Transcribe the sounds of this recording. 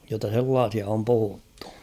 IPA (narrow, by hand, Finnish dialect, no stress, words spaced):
jotːɑ selːɑːsiɑ om puhutːu̥